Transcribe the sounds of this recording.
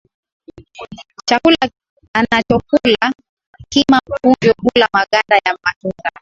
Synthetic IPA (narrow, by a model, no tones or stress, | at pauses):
t͡ʃakula | anat͡ʃɔp̚ula | kimakund͡ʒɔpulamaɠandajamaʔiŋɡa